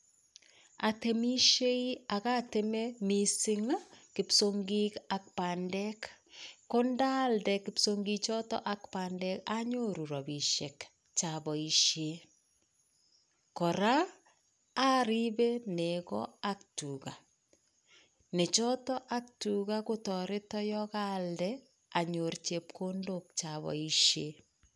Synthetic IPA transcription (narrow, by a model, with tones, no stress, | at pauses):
ate˨mi˦ʃe˦i˦a˨ɣa˦te˦me˦mi˦sɪ˦ŋa˦kɪ˨psoŋɡi˦ka˨k̚pa˨ndɛ˦kko˦nda˦ldɛ˨kɪ˨psoŋɡi˦t͡ʃɔ˦tɔ̰˦ʔa˦kpa˨ndɛ˦ka˦ɲo˦ɾu˨ɾɔ˨bi˨ʃe˨k | t͡ʃa˨βɔ˨i˨ʃe˦ | kɔ˨ɾaː˦ | ɾi˦be˦ne˨kɔ̰˦a˦ktuka̰˨ | ne˨t͡ʃɔ˦tɔ˦ʔa˦k̚tu˨ɣa˦ko˦tɔ˨ɾe˦tɔ˦jɔka˦ldɛ | a˨ɲo˨rt͡ʃe˨p̚kʰondok̚t͡ʃaβɔ̰˨iʃe˦